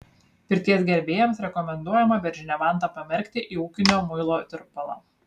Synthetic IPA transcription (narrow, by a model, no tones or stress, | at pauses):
pʲɪɾʲt̪ʲiɛsɡʲɛɾʲbʲeːjɛmsɾʲɛkɔmʲɛnd̪uɔjɛmɐbʲɛɾʲʒʲɪnʲɛʋɑˑnt̪ɐpɐmʲɛɾʲkʲt̪ʲɪʔiːuːkʲɪnʲoːmʊɪlˠoːt̪ʲɪɾpɐlˠɑ̰ː